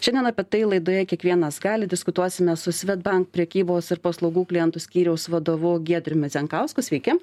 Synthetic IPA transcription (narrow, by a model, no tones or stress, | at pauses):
ʃʲɛnʲd̪ʲɛnɐpʲɛt̪ɐɪlˠɐɪd̪oːjɛkʲiɛkʋʲiɛnɐsɡɑːlʲɪd̪ʲɪskʊt̪uɔsʲɪmʲɛsʊsʲʋʲɛd̪̚bɐŋkpʲɾʲɛkʲiːboːsɪɾpɐslˠɐʊɡuːklʲɪjɛnt̪ʊsʲkʲiːɾʲɛʊsʋɐd̪oːʋʊɡʲiɛd̪ʲɾʲʊmʲɛzʲɛŋkɑʊskʊsʲʋʲɛɪkʲɪ